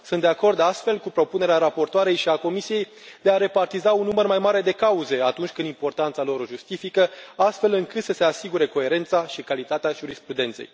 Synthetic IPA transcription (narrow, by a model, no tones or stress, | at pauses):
sund̪eako̞rd̪ast̪fe̞lkupɾo̞pune̞ɾeaɾapo̞rt̪oaɾe̞jʃiako̞misije̞j | d̪e̞aɾe̞part̪izaunːumərmajmaɾe̞d̪e̞kauze̞at̪unt͡ʃʲkɨnd̪impo̞rt̪ant̪salo̞ɾoʒust̪ifikəast̪fe̞lɨŋkɨt̪səse̞asiɡuɾe̞ko̞e̞ɾe̞nt̪saʃikalit̪at̪eaʒuɾispɾud̪e̞nt̪se̞̰j